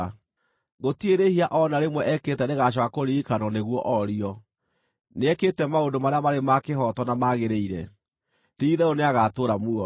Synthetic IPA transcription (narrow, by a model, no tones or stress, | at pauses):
ɣotieɾehiaʔɔnaɾemwɛʔɛketɛneɣaɕ̬ɔkakoɾiikanɔneɣwɔʔɔɾiɔ | neɛketɛmaodomaɾeamaɾemakeɦɔtɔnamaɣeɾeiɾɛ̰ | tiːðɛoneaɣatoːɾamuɔ